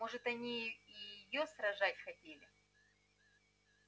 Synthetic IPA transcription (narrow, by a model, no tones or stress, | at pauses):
mo̞ʐɨt̪ɐnʲiːjɪjosɾɐʐatʲxɐtʲelʲɪ